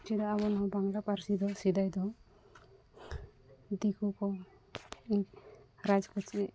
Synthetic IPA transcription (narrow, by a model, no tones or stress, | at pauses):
t͡ʃid̪ɔaβɔnɔwbaŋɡlapaɾsid̪ɔsid̪ajd̪ɔ | d̪ikʰukɔ | iɾad͡ʒkɔt͡ʃi